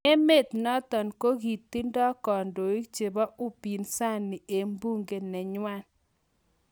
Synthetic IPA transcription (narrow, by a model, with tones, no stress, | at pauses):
e˦me˦˨t̪nɔ˦t̪ɔ˨nko˦ɡi˨t̪ːi˦ndɔ˦kɔ˨ndo˨i˦t͡ʃe˨ba˦ʊ˦pi˨nsa˦˨nːi˨e˨mbu˦ŋɡe˨nɛ˨ɲwa˦n